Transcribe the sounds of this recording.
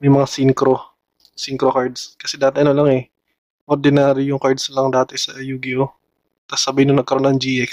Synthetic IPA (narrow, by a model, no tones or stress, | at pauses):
mɐjmɐŋasiŋkɾo̞ | siŋkɾokaɹd̪skɐsɛd̪aːt̪ɛʔɐnolaŋɛ | ʔoɾd̪ɪnaːɾɪjʊŋkaɹd̪slɐŋd̪aːt̪ɛsɐjuːɡɪo | t̪ɐsɐbɐjɪnʊnɐɡ̚kɐɾo̞nɐŋd͡ʒiʔɛks